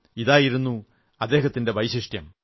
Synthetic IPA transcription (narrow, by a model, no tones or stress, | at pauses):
iðaːjiɾunːu | ɐd̪ːe̞ːɦɐt̪ːinde̞ʋɐjɕiʂʈjɐm